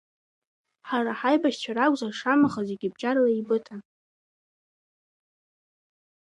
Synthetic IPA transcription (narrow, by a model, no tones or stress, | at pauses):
ħaɾaħajbaʃt͡ʃʷʰaɾakʷʼzaʂamaχazeɡʲɪb̚d͡ʒʼarlaibɨtʼa